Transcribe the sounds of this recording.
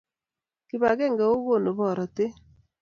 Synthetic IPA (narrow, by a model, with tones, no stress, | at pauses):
kɪ˦βa˨kɛ˦˨ŋɡɛ˨o˦ɣo˦˨no˨βɔ˨ɾɔ˨te˦